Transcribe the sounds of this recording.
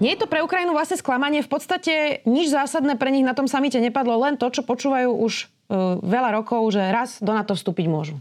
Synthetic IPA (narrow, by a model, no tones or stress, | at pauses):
ɲɛjɛt̪ɔpɾɛukɾajinuʋlasɲɛsklamaɲɪɛfpɔt̪st̪acɛɲid͡ʒzaːsad̪nɛːpɾɛɲiɣnat̪ɔmsamicɛɲɛpad̪lɔlɛnt̪ɔt͡ʃɔpɔt͡ʃuːʋajuːʔuʒ | ʋɛʎaɾɔkɔʊʒɛɾazd̪ɔnat̪ɔfst̪uːpiɟmʊɔʒu